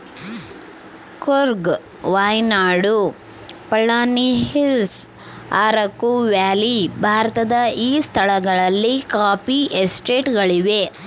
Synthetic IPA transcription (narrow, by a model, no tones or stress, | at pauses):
koɾɡ | ʋaːjnaːɽu | pɐɭːaːniɦils | aːɾɐkːuʋaːlibʱaːɾɐt̪ɐd̪ɐʔiːst̪ʰɐɭɐɡɐɭɐlːikaːpiʔesʈeːʈɡɐɭiʋe